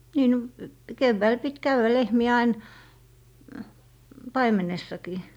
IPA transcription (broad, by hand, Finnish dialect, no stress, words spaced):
niː no keʋːæil pit kæywæ lehmiæ ɑin pɑimenesːɑkiː